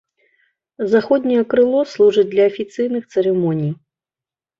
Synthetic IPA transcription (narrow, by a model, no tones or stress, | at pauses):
zaxɔd̪ʲnʲijɛkɾɨlˠɔslˠuʐɨd̚ʲd̪lʲɐɐfʲit̪sɨjnɨxt̪sɛɾɛmɔnʲij